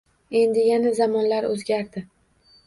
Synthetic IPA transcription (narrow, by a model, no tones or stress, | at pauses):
e̞nd̪ɪjanazamɒnlaɾɵzɡʲaɾd̪ɪ